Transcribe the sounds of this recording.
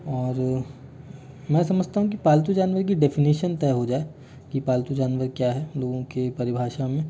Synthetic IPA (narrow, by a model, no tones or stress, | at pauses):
ɔːɾ | mɛ̃ːsɐməd͡ʒʱt̪aɦũk̬ipaːlt̪̬ud͡ʒaːnʋəɾkiɖɛːfɪniːʃənt̪ɛːɦod͡ʒaːe | kipaːlt̪ud͡ʒaːnʋəɾkjaɦɛloːɡõkepɐɾɪbʱaːʃamẽ